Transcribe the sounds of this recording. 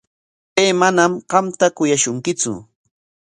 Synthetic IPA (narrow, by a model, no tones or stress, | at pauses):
peːmanamɢɑmt̪akʊjaʃʊŋkɪt͡sʊ̰